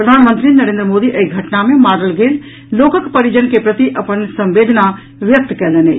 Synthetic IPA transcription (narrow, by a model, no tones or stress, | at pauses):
pɾəd̪ʱaːnmə̃nt̪ɾinəɾẽːnd̪ɾəmoːd̪iʔeɡʱɐʈnamẽmaːɽəlɡeːl | loːkəkpɐɾid͡ʒənkepɾɐt̪iʔɐpənsɐ̃mʋeːd̪ʱna | ʋjək̚t̪kɛːlenḛː